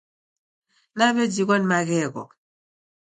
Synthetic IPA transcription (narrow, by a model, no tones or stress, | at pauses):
naβed͡ʒiɣɔnmaɣɛɣɔ̰